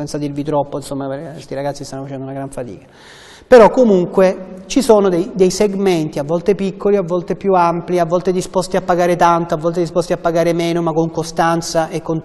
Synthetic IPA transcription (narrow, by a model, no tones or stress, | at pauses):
ɛnt̪sad̪irvit̪ɾɔpːoinsomːapekest̪iɾaɡat̪sːist̪anːofat͡ʃɛnd̪ounaɡɾaɱfat̪ḭːkḁ | peɾɔkːomuŋkwet͡ʃisoːnod̪ejd̪ejseɡment̪iavːɔlt̪epikʰːoliavːɔlt̪epjuampliavːɔlt̪ed̪ispɔst̪iapːaɡaːɾet̪ant̪oavːɔlt̪ed̪ispɔst̪iapːaɡaːɾemeːnomakːoŋkost̪ant̪saʔekːont̪